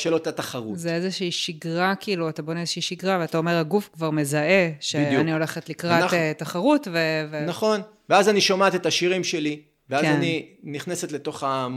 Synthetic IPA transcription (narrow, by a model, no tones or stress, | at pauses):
ʃelot̪at̪aχaʁuzeezeʃiːʃiɡʁakiiːluatabonezeʃiiʃiɡʁaveatao̞me̞ʁhaɡufkvaʁme̞zaʔe̞ʃeijanio̞le̞χet̪likʁatetaχaʁutvevenaχo̞n | veazaniʃomatet̪aʃiʁimʃe̞li | veazaniniχne̞set̪leto̞χa